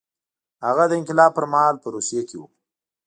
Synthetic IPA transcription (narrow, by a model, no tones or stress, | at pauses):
haɣad̪əɪ̃nkɪlɑb̚pəɾmahɑlpəɾusijekewu